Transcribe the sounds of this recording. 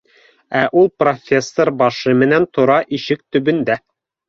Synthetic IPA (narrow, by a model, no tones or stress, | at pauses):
æʔulˠprofʲesːoɾbɑʃɤmɘ̆nænt̪ʰŏɾɑʔiʃɘk̚t̪ɵ̆bɘ̆nd̪æ